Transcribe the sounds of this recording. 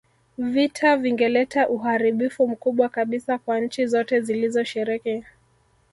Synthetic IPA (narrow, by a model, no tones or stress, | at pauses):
vitʰaviŋɡɛlɛtaʔuɦaɾiɓifum̩kuɓwakaɓisakwanɲ̩t͡ʃizɔtɛzilizɔʃɛɾiki